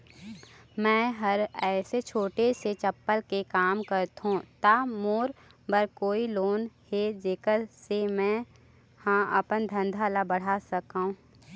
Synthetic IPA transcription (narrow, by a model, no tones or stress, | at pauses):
mɛ̃ːɦɐɾɛːset͡ʃʰoːʈeset͡ʃɐpːəlkekaːmkəɾt̪ɦũt̪amoːɾ | bəɾkoːiloːnhed͡ʒeːkəɾsemɛ̃ː | hãɐpənd̪ʱə̃nd̪ʱaːlabəɽ̤asɐkaːɦũː